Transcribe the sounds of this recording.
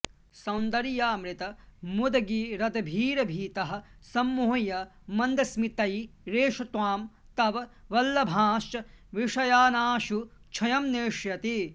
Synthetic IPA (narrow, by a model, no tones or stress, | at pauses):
sɐwnd̪ɐɾijaːmɾit̪ɐmud̪ɐɡiɾɐd̪ɐbʱiːɾɐbʱiːt̪ɐɦɐ̆sɐmːuːɐjɐmɐnd̪ɐsmit̪ɐjɾeːʂɐt̪ʋaːm | t̪ɐʋɐʋɐlːɐbʱaːʃt͡ʃɐʋiʂɐjaːnaːʃu | t͡ʃʰɐjɐmneːʂjɐt̪i